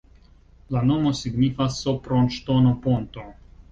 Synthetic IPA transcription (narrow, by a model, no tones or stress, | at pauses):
lano̞mo̞siɡnifasːopɾonʃt̪onopont̪o